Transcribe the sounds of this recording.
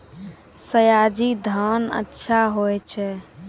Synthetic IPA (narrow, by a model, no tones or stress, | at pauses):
səjad͡ʒid̪ʱaːnə̰tːʃʰaɦoɛt͡ʃʰɛ